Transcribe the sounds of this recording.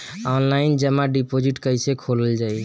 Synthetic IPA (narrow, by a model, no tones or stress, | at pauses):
ɔnlaind͡ʒəmaɖipod͡ʒiʈkəjsekʰoləld͡ʒaj